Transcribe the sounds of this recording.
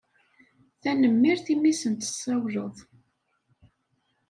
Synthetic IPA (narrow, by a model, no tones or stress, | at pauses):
θænəmːiɾθimːisənt̪ə̥sːæwləðˤ